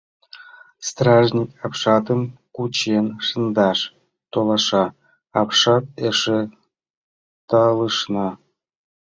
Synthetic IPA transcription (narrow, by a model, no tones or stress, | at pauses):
st̪rɑʐnʲikʲɑpʂɑt̪əmkut͡ɕenʂɯnd̪ɑʂ | t̪olˠɑʂɑ | ɑpʂɑt̪̚eʂe | t̪ɑlˠɯʂnɑ